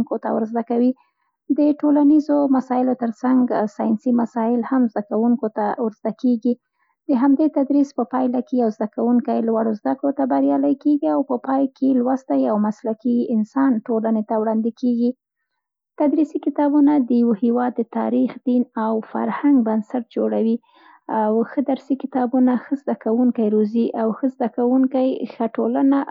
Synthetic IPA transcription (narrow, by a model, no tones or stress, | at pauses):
ŋkot̪a̰wəɾzd̪akawi | d̪əʈolanizomasɑjɪlot̪əɾsaŋɡsɑjnsimasɑɪlhamzd̪akawuŋkot̪awəɾzd̪akeɡi | d̪əɦamd̪et̪ad̪ɾispəpɑjlakejawzd̪akawuŋkajlwaɽozd̪akɽot̪abaɾjɑləjkeɡiawpəpɑjkʰelwast̪ajawmaslakiɪnsɑnʈolanet̪awɽɑnd̪ɪkeɡi | t̪ad̪ɾisikɪt̪ɑbunad̪əjawohewɑd̪ːət̪ɑ̰ɾixd̪inawfa̰ɾhaŋɡbansaʈ̚d͡ʒoɽawi | awxəd̪aɾsikɪt̪ɑbunaxəzd̪akawuŋkajɾoziʔawxəzd̪akawuŋkajxəʈolana